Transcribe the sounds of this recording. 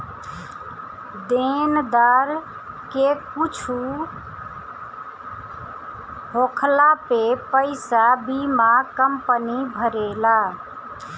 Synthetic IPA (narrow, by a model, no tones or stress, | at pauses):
d̪end̪aɾ | kekut͡ʃʰu | ɦokʰlapepəjsabimakəmpənibʱəɾela